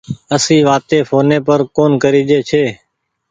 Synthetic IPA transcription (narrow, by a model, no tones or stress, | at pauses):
əsĩːʋaːt̪eːpʰoːnẽːpəɾkoːnkəɾiːd͡ʒeːt͡ʃʰeː